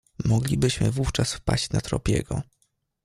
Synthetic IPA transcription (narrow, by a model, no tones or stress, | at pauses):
mɔɡlʲibɘɕmɘvuft͡ʂasfpaɕt͡ɕnat̪ɾɔ̰pʲjɛ̰ɡɔ